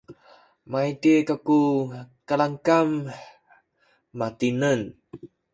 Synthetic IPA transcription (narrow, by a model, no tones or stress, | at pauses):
mait̪ikakukalaŋkam | at̪inən